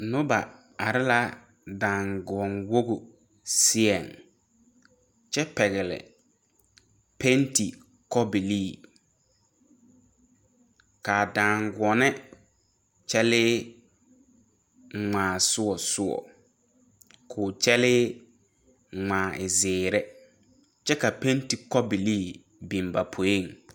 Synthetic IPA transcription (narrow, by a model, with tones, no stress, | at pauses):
nʊ˦ba˨ | a˨ɾɪ˦la˦ | dã˨ŋɡɔ˨nwo˦ɡʊ˨ | sɪ˦ɛ˨ŋ | t͡ʃɛ˦pɛ˨ɣɪ˨lɪ̰˨ | pe˦nti˨ | kɔ˦bi˨liː˦˨ | kaː˨dãː˨ŋɡɔ˨nɛ˦ | t͡ʃɛ˦lɪː˦˨ | ŋ͡mãː˨sʊ˦ɔ˨sʊ˦ɔ̰˨ | kʰʊː˨t͡ʃɛ˦lɪː˦˨ | ŋ͡mãː˨ʔɪ˨zɪː˨ɾɛ˦ | t͡ʃɛ˦ka˨pe˦nti˨kɔ˦bi˨liː˦˨ | bĩ˨mba˨pʰo˨˦e˦˨ŋ